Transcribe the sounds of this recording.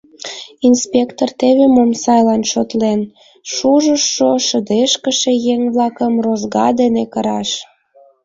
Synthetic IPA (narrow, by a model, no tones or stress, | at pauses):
inspʲekt̪ort̪eβemomsɑjlɑnʃot̪len | ʃuʒəʃːoʃəd̪eʃkəʃejeŋβlɑkəmrozɣɑd̪enekəɾɑʃ